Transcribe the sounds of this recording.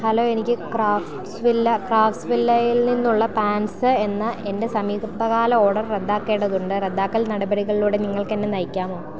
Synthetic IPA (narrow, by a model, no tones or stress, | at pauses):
hɐlo̞ːenikʲːɨkraːfʈsʋilːɐkraːfʈsʋilːɐjilninːuɭːɐpaːnsɨe̞nːɨende̞sɐmiːɡɐpɐɣaːlɐo̞ːɽɐrred̪ːaːkːe̞ːɳɖɐðuɳɖɨred̪ːaːkːɐlnɐɽɐbɐɽiɣɐɭiluːɽe̞niŋːɐɭke̞nːenɐjikʲːaːmo̞ː